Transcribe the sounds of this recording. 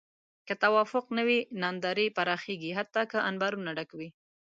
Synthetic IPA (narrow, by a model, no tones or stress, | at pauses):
kət̪awɑfʊqnəwinɑnd̪ɑɾipaɾɑxeɡiɦat̪ːɑkəʔanbɑɾunaɖakawi